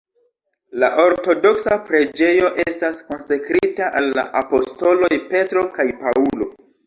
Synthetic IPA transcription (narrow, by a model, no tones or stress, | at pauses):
laʔo̞ɾto̞do̞ksapɾe̞d͡ʒe̞jo̞ʔestasko̞nsakɾitaʔalːa̰ʔapo̞sto̞lo̞jpe̞tɾo̞kajpaulo̞̰